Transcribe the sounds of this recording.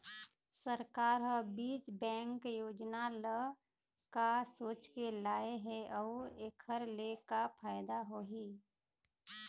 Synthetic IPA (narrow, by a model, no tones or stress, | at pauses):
səɾkaːɾɦəbiːt͡ʃbɛ̃ːŋkjoːd͡ʒnalə | kasoːt͡ʃkelaːeɦɛʔɔueːkʰəɾlekapʰaːɪd̪aɦoɦi